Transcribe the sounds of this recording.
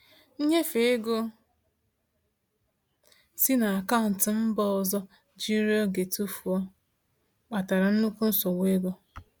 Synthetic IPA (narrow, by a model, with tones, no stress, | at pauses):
n̩˦ɲe˦fe˨e˦ɡo˦ | si˦na˨a˨ka˦˨n̩˨tɪ˨m̩˦bɔ˦ɔ˨zɔ˦ | d͡ʒi˦ɾi˦ɔ˦ɡe˨tu˦fu˨ɔ˦ | k͡pa˨ta˨ɾa˨n̩˦nu˦ku˦n̩˦sɔ˨wʷe˦ɡo˦